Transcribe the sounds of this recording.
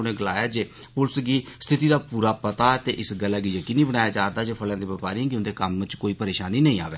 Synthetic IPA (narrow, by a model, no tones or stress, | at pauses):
ʊnẽːɡəlaːjaːd͡ʒeː | pʊlsɡiːst̪ʰɪt̪iːd̪aːpuːɾaːpət̪aːt̪eːʔɪsɡəlːaːɡiːd͡ʒəkiːniːbəɽ̃aːjaːd͡ʒaːɾd̪aːd͡ʒeːpʰəlãːd̪iːʋəpaːɾiãːkɪʊnd̪eːkəmt͡ʃkoːiːpəɾeːʃaːniːnəĩːa̰ːʋeː